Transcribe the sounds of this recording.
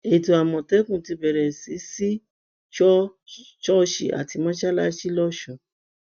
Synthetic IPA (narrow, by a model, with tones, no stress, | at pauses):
e˨to˨a˨mɔ̃˨tɛ˨˦kũ˦˨ti˧bɛ˨ɾɛ˨si˨˦si˦ | ʃɔ˦ | ʃɔ˦ʃḭ˨ʔa̰˨ti˧mɔ̃˦ʃa˦la˦ʃi˦lɔ˦ʃũ˨